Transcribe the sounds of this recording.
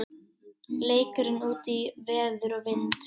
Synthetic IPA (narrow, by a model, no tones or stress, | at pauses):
leːjkʏɾɪnuːt̪ivɛːðʏɾɔvɪnt̪